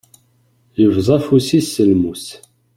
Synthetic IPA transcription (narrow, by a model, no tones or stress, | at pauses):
jəvzˤɑfusisːəlmus